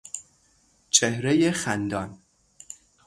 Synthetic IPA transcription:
t͡ʃʰehɾejexænd̪ɒːn

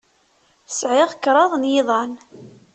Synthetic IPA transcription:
sʕɪʁkːɾˤɑðˤnjɪðˤɑn

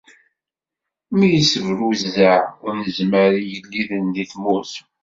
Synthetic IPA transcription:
mijəsəvɾuzːəʕʊɾnəzməɾijəlːiðənðiθmus

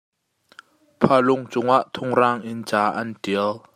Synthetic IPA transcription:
pʰalʊŋt͡sʊŋaʔt̪ʰʊŋraːŋʔɪnt͡saːʔantiəl

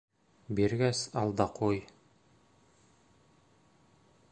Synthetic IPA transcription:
biɾɡæsɑlˠd̪ɑqʰuj

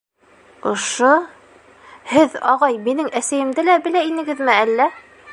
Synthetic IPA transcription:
ŏʃo | hɘðɑ̰ʁɑjminɘŋæsæjɘ̆md̪ɘlæbɘ̆læinɘ̆ɡɘ̆ðmɘælːæ

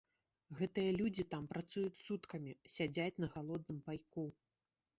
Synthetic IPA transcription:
ɣɛt̪ɨjɐlʲud͡zʲit̪ampɾat̪sujut͡sʲsut̪kɐmʲisʲad͡zʲat͡sʲn̪ɐɣalˠɔd̪nɨmpajku

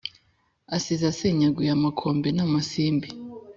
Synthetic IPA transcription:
asizaseɲaɡwujamakʰoːmbinamasiːmbi

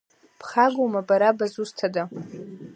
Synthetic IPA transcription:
pʰχaɡomabaɾabazustʰada

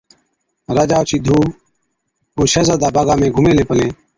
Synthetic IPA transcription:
ɾaːd͡ʒaːt͡ʃʰiːd̪ʱuː | oːʃəzəd̪aːbaːɡaːmẽːɡʱʊmẽːleːpəlẽː

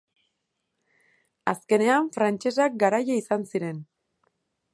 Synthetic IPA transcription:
aske̞ne̞aɱfɾant͡ʃe̞sak̚ɡaɾajaisansiɾe̞n

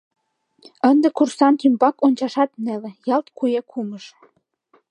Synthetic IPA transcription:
ənd̪ĕkursɑnt̪ymbɑkonʲt͡ɕɑʃɑt̪nelĕjɑlt̪kujekʰuməʃ

